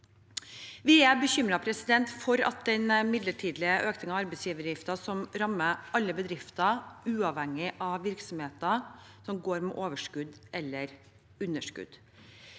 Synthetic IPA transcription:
ʋɪæbəçʏmɾɑpʰɾɛsɪd̪ɛnt̪fɔɾɑ̰t̪̚d̪ɛnmɪd̪ləʈʰiːd̪lɪəʔøːknɪŋɑʋɑɾbɛɪsjiːʋəɾjɪft̪ɑsɔmɾɑmːəɑlːəbəd̪ɾɪft̪ɑʉːɑʋhɛŋːɪʔɑʋʋɪɾksɔmheːt̪ɑsɔmɡoːɾmɛ̰ʔoːʋəʂkʉd̪ʔɛlːəɾ | ʉnːəʂkʉ̰d̪̥

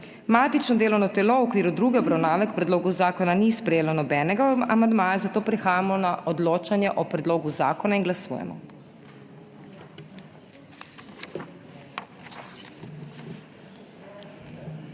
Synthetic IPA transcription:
maːt̪it͡ʃnɔd̪eːlɔwnɔt̪ɛlowɔkʋiːɾud̪ɾuːɡɛɔbɾawnaːʋɛkpɾɛd̪loːɡuzaːkɔnanispɾɛjeːlɔnɔbɛːnɛɡaamand̪maːjɛzat̪oːpɾixaːjamɔnaʔɔd̪loːt͡ʃanjɛʔɔpɾɛd̪loːɡuza̰ːkɔnainɡlasṵjɛ̰mɔ̰

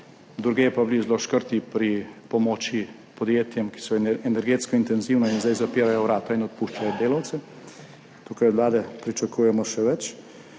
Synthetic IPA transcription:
d̪ɾuɡeːɛpablizloʃkəɾt̪ipɾipɔmoːt͡ʃi | pɔd̪jeːt̪jɛmki̥sɔɛnɛɾɡeːt̪skɔint̪ɛnziwnɔinzajzapiːɾajɔwɾaːt̪ɔinɔt̪̚puʃt͡ʃajɔd̪eːlawt̪sɛ | t̪uːkajɔd̪laːd̪ɛpɾit͡ʃakujɛmɔʃɛʋɛt͡ʃ

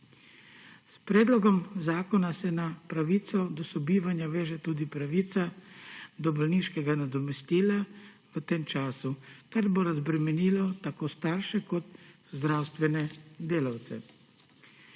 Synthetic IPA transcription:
spɾeːd̪lɔɡɔmzaːkɔnasɛnapɾaʋiːt̪sɔd̪ɔsɔbiːʋanjaʋeːʒɛt̪uːd̪ipɾaʋiːt̪sa | d̪ɔbɔlniʃkɛɡanad̪ɔmɛst̪iːla | ʋət̪eːmt͡ʃaːsukaɾboɾazbɾɛmɛniːlɔt̪akost̪aɾʃɛkɔt̪zd̪ɾawst̪ʋɛnɛd̪eːlawt̪sɛ̰

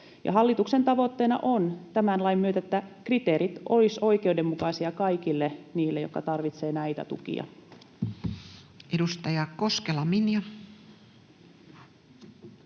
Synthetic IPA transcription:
jɑ̰ɦɑlːit̪ukse̞nt̪ɑʋot̪ːeːnɑ̰ʔo̞nt̪æmænlɑjmmyøt̪æet̪ːækrit̪eːɾit̪o̞liso̞jkeudemːukɑsiɑkɑikilːeniːlːejokːɑt̪ɑrʋit̪se̞ːnæjt̪æ̰t̪ṵkḭɑ̰ | edust̪ɑjɑko̞skelɑminjɑ

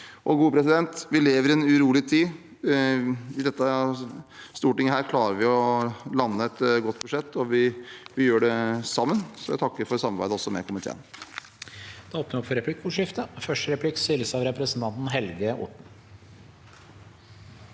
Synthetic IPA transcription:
ʔɔɡuːpʰɾɛsɪd̪ɛnt̪ʋɪleːʋəɾɪɛnʉɾuːlɪt̪ʰiː | ɪd̪ɛt̪ːə | st̪uːʈɪŋːəhæːɾkʰlɑːɾəɾʋɪɔlɑnːəɛt̪ɡɔt̪ːbʉʂɛt̪ːɔʋɪʋɪjøːɖɛsɑmːənsɔjæ̰t̪ʰɑkːəɾfɔɾsɑmɑɾbæ̰ɪd̪əɔsːɔmɛ̰kʰʊmɪt̪ʰḛːn | d̪̥ɛoːp̚nəɾɔpfɔɾɛpʰlɪkːʊʂɪft̪əfœʂʈəɾɛpʰlɪkːsʏləsɑʋɾɛpɾəsən̩t̪ʰɑnt̪n̩ɦɛlɡəʔʊ̰ʈɳ̩

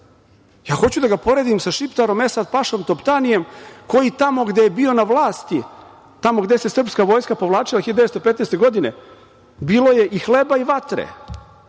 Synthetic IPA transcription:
jaːxo̞t͡ɕud̪aɡapo̞ɾe̞ːd̪imsaʃipt̪aɾo̞me̞sad̪paʃomt̪o̞pt̪anije̞mko̞jit̪amo̞ɡd̪ejebio̞naʋlˠaːst̪i | t̪amo̞ɡd̪e̞sesr̩pskaʋo̞ːjskapo̞ʋlˠaːt͡ʃilaxid̪d̪est̪opet̪neːst̪e̞ɡo̞d̪ine̞̰ | biːlo̞je̞ʔixlebaiʋat̪ɾḛ

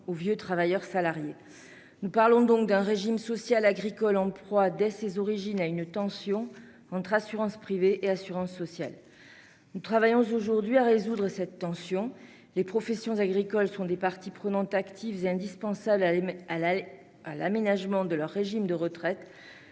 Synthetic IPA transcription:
ovjøt̪χavajœʁsalaʁje | nupaʁlɔ̃d̪ɔ̃k̚d̪ɛ̃ʁeʒimsɔsjalaɡʁikɔlɑ̃pχwad̪ɛsezɔʁiʒinaynt̪ɑ̃sjɔ̃ | ɑ̃t̪χasyʁɑ̃spχiveʔeasyʁɑ̃sːɔsjal | nut̪χavajɔ̃zoʒuʁd̪ɥiaʁezud̪ʁəsɛt̪ːɑ̃sjɔ̃ | lepχɔfɛsjɔ̃zaɡʁikɔlsɔ̃d̪epaʁt̪ipχənɑ̃t̪akt̪ʰivzeɛ̃d̪ispɑ̃sabl | ala̰menaʒmɑ̃d̪əlœʁːeʒimd̪əʁət̪χɛt̪

